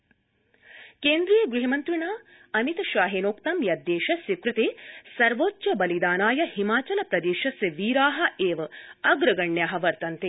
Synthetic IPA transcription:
keːnd̪ɾijɐɡɾiɦɐmɐnt̪ɾiɳaː | ɐmit̪ɐʃaːɦeːnoːkt̪ɐmjɐd̪ːeːʃɐsikɾɨt̪eːsɐɾʋoːt̪ʃɐbɐlid̪aːnaːjɐhimaːt͡ʃɐnɐpɾɐd̪eːʃɐsiʋiːɾaːɦɐ̆eːʋɐɐɡɾɐɡɐɳːjaːɦɐʋɐɾt̪ɐnt̪e

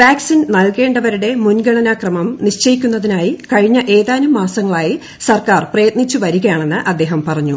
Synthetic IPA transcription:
ʋaːksinnɐlke̞ːɳɖɐʋɐɾuɽe̞munɡɐɳɐnaːkrɐmɐmniɕt͡ɕɐjikʲːunːɐðinaːjikɐɻiɲːɐʔe̞ːðaːnumːaːsɐŋːɐɭaːji | sɐrkaːrprɐjɐt̪̚nit͡ɕːuʋɐɾuɣɐjaːɳe̞nːɨʔɐd̪ːe̞ːɦɐmpɐrɐɲːu

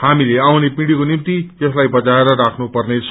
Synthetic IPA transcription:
hamileawnepiɽikonimt̪ijʌslajbʌd͡zaeɾʌɾakʰnupʌrnet͡sʰ

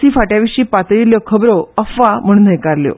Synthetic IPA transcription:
iːfaʈjaʋiʂiːpat̪əiljɔkʰəbɾoəfam̤əɳ̃unəjkaɾljo̰

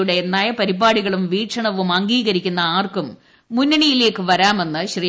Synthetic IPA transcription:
uɽe̞ːnːaːjɐpɐɾibaːɽiɣɐɭumʋiːʈʂɐɳɐʋumɐŋɡiːɣɐɾikʲːunːɐaːrkumː | unːɐɳijile̞ːkːɨʋɐɾaːme̞nːɨɕri

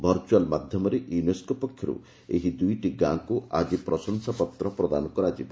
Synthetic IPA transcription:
bʱɔɾt͡ʃualmad̪ʱjɔmɔɾeʔjuneskɔpɔkʰjɔɾṵ | ḛɦid̪ujʈiɡãkuad͡ʒipɾɔsɔnsapɔt̪ɾɔpɾɔd̪anɔkɔɾad͡ʒibɔ

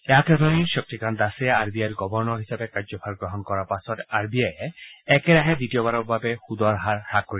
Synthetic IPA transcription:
ɛakɔd̪ʱɔninʃɔk̚tikand̪asɛaɹbiajɾɡɔbɔɹnɔɾɦisabekad͡ʒɔpʰaɾɡɹɔɦɔnkɔɾapasɔtaɹbiajeɛkeɾaɦɛd̪itiobaɾɔkbabexud̪aɾɦaɾhakːoɾi

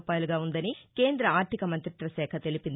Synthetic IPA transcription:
paːjluɡaːund̪ɐnike̞ːnd̪ɾɐaːɾt̪ʰikɐmɐnt̪ɾit̪ʋɐʃɛːkʰɐt̪e̞lipind̪

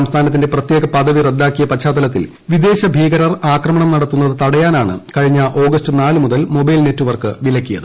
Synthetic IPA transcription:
ɐmst̪ʰaːnɐt̪ːinde̞prɐt̪je̞ːɡɐpɐðɐʋired̪ːaːkːijɐpɐt͡ɕʰːaːt̪ːɐlɐt̪̬ːil | ʋid̪e̞ːɕɐbʱiːɡɐɾɐraːkrɐmɐɳɐmnɐɽɐt̪ːunːɐðɨt̪ɐɽɐjaːnaːɳɨ̰kɐɻiɲːɐʔo̞ːɡɐstɨnaːlɨmuðɐlmo̞bɐjlne̞tːuʋɐrkɨʋilɐkʲːijɐ̰ðɨ

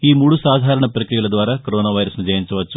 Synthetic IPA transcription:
iːmuːɽusaːd̪ʱaːɾɐɳɐpɾɐkɾijɐɭd̪ʋaːɾɐkoɾoːnaːʋɐjɾɐsnid͡ʑɐjɐɲt͡ʃɐʋɐt͡ʃːu

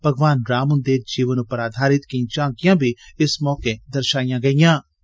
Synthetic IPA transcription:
pəɡʋaːnɾaːmənd̪eːd͡ʒiːʋənʊpːəɾaːd̪ʱaːɾɪt̪kɪĩːt͡ʃãːŋkijãːbʱiːɪsmɔːkeːd̪əɾʃaːijãːɡəijãː

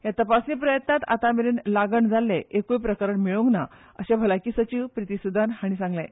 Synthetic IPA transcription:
jat̪əpasniːpɾəjət̪nat̪a̰t̪ameɾuːnlaɡəɳd͡zʱalːeekujpɾəkəɾəɳmiɭũŋɡna | əɕabʱəlakiːsət͡ɕiʋpɾit̪isud̪ʱanɦaɽ̃isãŋɡlẽ

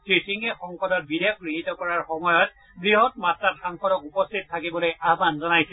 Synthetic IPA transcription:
sɹisiŋɛxɔŋkɔdɔt̚bidʱekɡɹiɦitɔkɔɹaɹxɔmɔjɔt | ɡɹiɦɔtmatɹatxaŋxɔdɔkupɔstʰit̚tʰːakibɔlojʔabanzɔnajsɛ

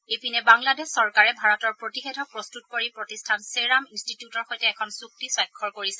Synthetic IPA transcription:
epʰinɛbaŋladɛssɔɹkaɹɛbʱaɹɔtɔɹpɹotixedʱɔpɹostutkoɹipɹotistʰanseɹaminstitijutɔɹxojtɛːkʰɔnsuk̚tisɔjkʰːɔɹkoɹisɛ

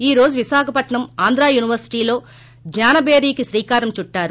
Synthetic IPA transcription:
iːɾo̞ːd͡ʒuʋisaːkʰɐpɐʈɳɐmaːnd̪ɾaːjuːniʋɐɾsi̥ʈiːlo̞ː | d͡ʒɲaːnɐbeːɾiːkisɾiːkaːɾɐmt͡ʃuʈːaːɾu

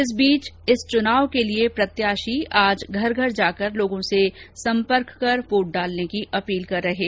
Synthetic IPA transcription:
ɪs̬biːt͡ʃɪst͡ʃʊnaːʋkeliepɾɐt̪jaːʃiaːd͡ʒɡʱɐɾɡʱɐɾd͡ʒaːkəɾloːɡõsesɐ̃mpəɾkːɐɾpuːʈ̚ɖaːlnekiʔɐpiːlkɐɾːɐɦeː

